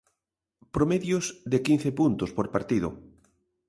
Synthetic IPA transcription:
pɾomeðjʊsðekinθepunt̪ʊspoɾpaɾt̪ið̞ʊ

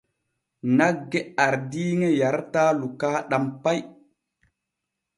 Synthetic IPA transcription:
naɡːeaɾdiːŋejaɾtaːlukaːɗampaj

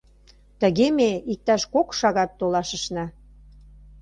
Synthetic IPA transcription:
t̪ə̆ɣemeik̚t̪ɑʃkokʃɑɣɑt̪ːolɑʃə̆ʃnɑ

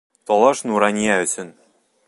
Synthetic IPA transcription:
t̪ɒlˠɑʃnuɾɑnʲiæɘ̆sɘ̆n

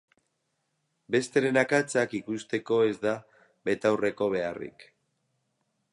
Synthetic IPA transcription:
be̞st̪e̞ɾe̞nakat͡sakikust̪e̞ko̞e̞zd̪a | be̞t̪awre̞ko̞β̞e̞arḭk

